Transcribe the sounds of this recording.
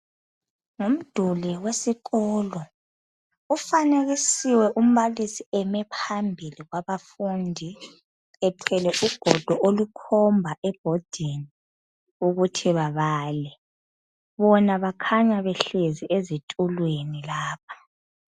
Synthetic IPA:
ŋom̩d̥ʱuliwesiɣɔːlɔ | ufaneɣisiwɛʔum̩βalisiɛmɛpʰambʱiliɣwaβafundʱi | ɛtʰɛlɛʔuɡ̥ʱɔd̥ʱɔʔolukʰɔmbʱaʔɛb̥ʱɔd̥ʱini | uɣutʰiβaβaːlɛ | βɔnaβakʰaɲaβɛɬeziʔezitʼulwenilaːp̚ʰḁ

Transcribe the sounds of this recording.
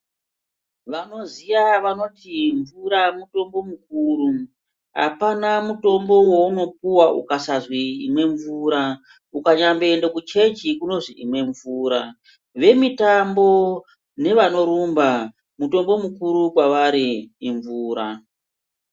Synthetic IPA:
ʋano̞zijaʋano̞tiɱvuɾamuto̞mbo̞mukuːɾu | ɦa̰panamuto̞mbo̞wo̞uno̞p̚uwaʔṵkasazwiimwe̞ɱvuɾa | ukaɲambe̞ːndekut͡ʃe̞ɲd͡ʒikuno̞ʐiʔimwe̞ɱvuːɾa | ʋe̞mitambo̞ | ne̞ʋano̞ɾumba | muto̞mbo̞mukuɾukwaʋaɾiːɱvuːɾa

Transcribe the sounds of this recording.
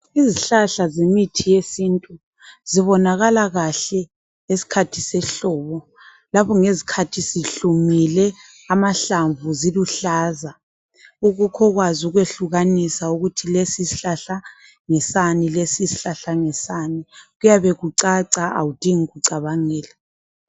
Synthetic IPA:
iziɬaɬazemitʰijesiːntʼu | ziβɔnaɣalaɣaɬɛ | esi̥kʰatʰi̥sɛɬɔβɔ | laβɔŋezikʰatʰisiɬumilɛ | amaɬaɱvuziluɬaːza | uɣukʰɔɣwazuɣweɬuɣanisauɣutʰilesisiɬaɬa | ŋɛsanilesisi̥ɬaɬaŋɛsaniɣujaβɛɣuǀaǀaa̰wud̥ʱiŋiɣuǀaβaŋɛːla

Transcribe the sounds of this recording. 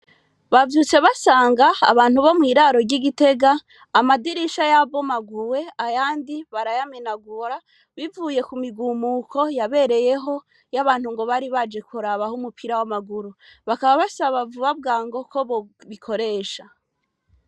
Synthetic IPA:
βavjut͡se̞βasaːŋɡaːβaːn̥huβo̞mwiːɾaɾo̞ɾɟiɡite̞ɡaː | madiɾiʃajabo̞maɡuwe̞ajaːndiβaɾajaminaɡuɾa | βivuːje̞kumiɡuːmukʰo̞jaβe̞ɾe̞je̞ɦo̞ | jaβaːnhuŋɡo̞βaɾiβad͡ʒe̞kuɾaβahumupʰiɾawamaɡuɾuβakaβaβasaβavuβab̚ɡaːŋɡo̞ko̞βoβikʰo̞ɾe̞ːʃa

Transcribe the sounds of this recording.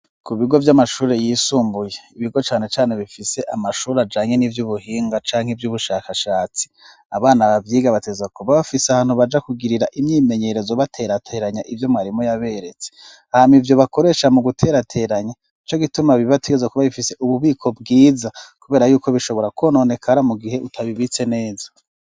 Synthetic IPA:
kuβiɡo̞vjamaʃuːɾe̞jiːsuːmbuje̞iβiɡo̞t͡ʃaːne̞t͡ʃaːne̞βifise̞ʔamaʃuːɾead͡ʒaːɲe̞nivjuːβuhiːŋɡat͡ʃaːŋ̥evjuβuʃakaʃaːt͡si̥ | a̰βaːnaβavjiːɡaβateɡezakuβaβafiseahaːnhuβad͡ʒakuɡiɾiɾaʔimɲiːme̞ɲe̞ɾe̞zoβatʰe̞ɾatʰe̞ːɾaɲaʔivjo̞mŋaːɾimojaβe̞ɾe̞t͡se | haamivjo̞βako̞ɾe̞ːʃamuɡutʰe̞ɾatʰe̞ːɾaɲa | it͡ʃo̞ɡitumaβiβatʰeɡezakuβaβifise̞ʔuβuβiːkʰo̞b̚ɡiːzakuβeːɾajuːko̞βiʃo̞βo̞ɾakʰono̞ːne̞kʰaɾamuɡihe̞ʔutʰaβiβit͡se̞ne̞ːzḁ

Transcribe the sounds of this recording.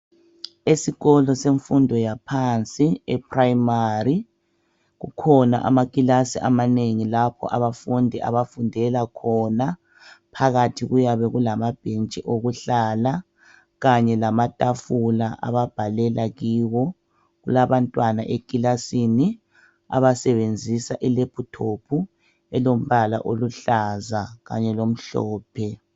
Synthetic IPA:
esiɣɔlɔseɱfundʱɔjapʰant͡sʼiɛpʰrajmari | ɣṵkʰɔna̰ʔa̰makʼilasiʔa̰maneŋilapʰɔ̰ʔa̰βafundʱiʔa̰βafundʱɛlakʰɔna | pʰaɣatʰiɣujaβɛɣulamab̥ʱent͡ʃʼiʔoɣuɬala | ɣaɲɛlamatʼafulaʔa̰βab̥ʱalɛlʔaɣiːwɔ | ɣulaβantʼwanaʔekʼilasini | a̰βasɛβend͡zʱisaʔɛlepʰutʰopʰu | ɛlom̩βala̰ʔoluɬazaɣa̰ɲɛlom̩ɬɔ̰ːpʰɛ

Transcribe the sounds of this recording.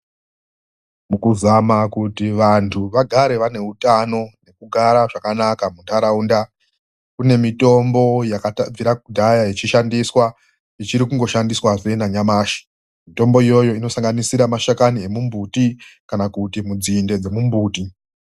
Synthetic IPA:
mukuzamakutiʋantʰuʋaɡʱaɾe̞ʋane̞utano̞ne̞kuɡʱaɾaʐakanakamuntaɾaunda | kune̞mito̞mbo̞jakab͡viɾakudʱajajet͡ʃiʃandiswa | it͡ʃiɾikuŋɡo̞ʃandiswaʐenaɲamaːʃi̥ | mito̞mbo̞ijo̞jo̞ino̞saŋɡanisiɾamaʃakanie̞mumbutikanakutimud͡zinde̞d͡ze̞mumbuːti

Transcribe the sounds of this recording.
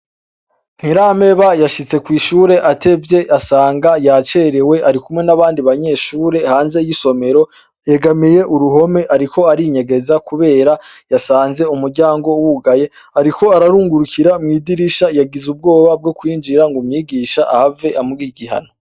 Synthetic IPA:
n̥hiɾame̞βajaʃit͡se̞kwiːʃuːɾe̞ʔate̞vje̞ʔasaːŋɡajat͡ʃe̞ɾewe̞ʔaɾikumŋe̞naβaːndiβaɲe̞ːʃuːɾe̞haːnze̞jiso̞me̞ɾo̞ | jeɡamije̞ʔuɾuɦo̞me̞ʔaɾiko̞aɾiɲeɡe̞zakuβe̞ːɾa | jasaːnze̞umuɾɟaːŋɡo̞wuɡaje̞ | aɾiko̞aɾaɾuːŋɡuɾukiɾamŋiːdiɾiʃajaɡizub̚ɡo̞ːβab̚ɡo̞kwiːnd͡ʒiɾaŋɡumɲiːɡiːʃaʔa̰have̞ʔamuɡiːɡiɦa̰no̞

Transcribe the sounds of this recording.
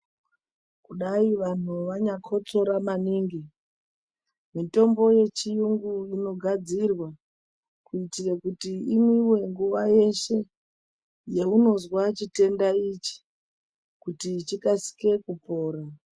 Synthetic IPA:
kuɗaiʋan̤uʋaɲakʰo̞t͡so̞ɾamaniŋɡi | mito̞mbo̞je̞t͡ʃijuŋɡuino̞ɡʱad͡zirwa | kuitirekutiimiwe̞ŋɡuʋaje̞ʃe̞ | jeuno̞zwat͡ʃite̞ndait͡ʃi̥ | kutit͡ʃikasi̥ke̞kupo̞ːra

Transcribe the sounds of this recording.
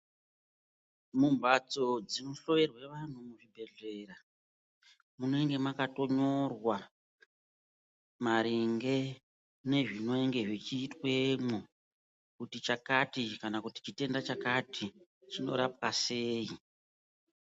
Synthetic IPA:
mumbat͡so̞d͡zinoɬo̞ʋe̞rwe̞ʋan̤umuʐibʱe̞ɮe̞ra | munoeŋɡe̞makato̞ɲo̞rwa | maɾiŋɡe̞ | ne̞ʐino̞eŋɡe̞ʐit͡ʃiːtwemu | kutit͡ʃakatikanakuti̥t͡ʃite̞ndat͡ʃakatʰi | t͡ʃino̞̰ɾap̚waseːi

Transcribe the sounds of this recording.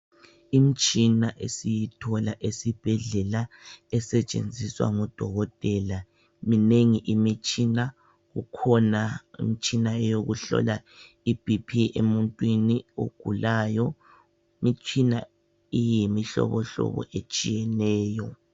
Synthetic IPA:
imit͡ʃʼinaʔesijitʰɔlaʔesib̥ʱɛɮɛlaɛsɛt͡ʃʼḛnd͡zʱiswa̰ŋɔd̥ʱɔɣɔtʼɛla | mineŋiʔimit͡ʃʼina | ɣṵkʰɔnaḭmit͡ʃʼinaɛjoɣuɬɔ̰la | ib̥ʱipʰiemuntʼwinio̰ɡ̥ʱulaːjɔ | imit͡ʃʼina | ijimiɬɔ̰βɔɬɔ̰βɔ̰ʔet͡ʃʼijɛnɛːjɔ

